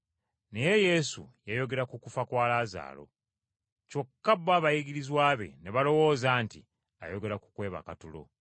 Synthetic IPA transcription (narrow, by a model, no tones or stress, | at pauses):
ne̞je̞je̞sṵjajo̞ɡe̞ɾakukufakwaːlaːza̰ːlo̞̰ | co̞kːabːaβajiɡiɾizwaːβe̞̰neβalo̞wo̞ːzaːnti | a̰jo̞ɡe̞ɾaku̥kwe̞ːβa̰katulo̞̰